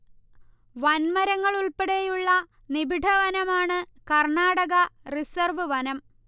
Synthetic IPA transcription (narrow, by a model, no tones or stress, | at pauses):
ʋɐnmɐɾɐŋːɐɭuɭpeɽejuɭːɐ | nibʱiɖʱɐʋɐnɐmaːɳɨ | kɐrɳaːɽɐɣɐrisɐrʋɨʋɐnɐm